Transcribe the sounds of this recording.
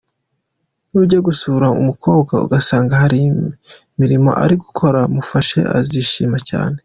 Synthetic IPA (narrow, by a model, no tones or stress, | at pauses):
nuːɾɟeɡusuːɾaṵmukʰo̞ːbɡaṵɡasaːŋɡahaɾimi | miɾimo̞̰ʔa̰ɾiɡukʰo̞ɾamufaʃe̞̰ʔa̰ziʃiːmaca̰ːne̞